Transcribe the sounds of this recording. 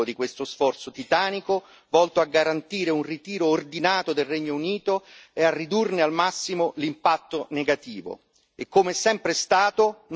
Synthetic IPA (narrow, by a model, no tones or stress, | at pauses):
od̪ikwest̪osfɔrt̪sot̪it̪aːniko | vɔlt̪oaɡːaɾant̪iːɾeunrit̪iːɾoːrd̪inaːt̪od̪elreɲːouniːt̪oearːid̪urnealmasːimolimpat̪ːoneɡat̪iːvo̰ | ekːomeɛsɛmpɾest̪aːt̪on